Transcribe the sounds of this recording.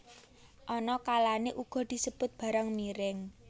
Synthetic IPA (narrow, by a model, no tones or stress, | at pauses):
ʔɔnɔkalaneʔuɡ̥ɔ̤d̪̥i̤səb̥ʊt̪̚b̥a̤ɾaŋmiɾɪŋ